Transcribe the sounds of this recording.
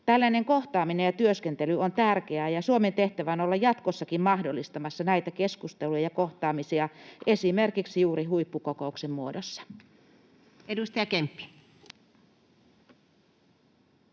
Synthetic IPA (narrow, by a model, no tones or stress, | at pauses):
t̪ælːæneŋkoht̪ɑːminejɑt̪yøskent̪elyont̪ærkeæːjɑsuoment̪eht̪æʋæonolːɑjɑt̪kosːɑkimmɑhdolːist̪ɑmɑsːɑnæit̪ækeskust̪elujɑjɑkoht̪ɑːmisiɑʔesimerkiksjuːriɦuipːukokouksemːuodosːɑ̥ | edust̪ɑjɑkempːi̥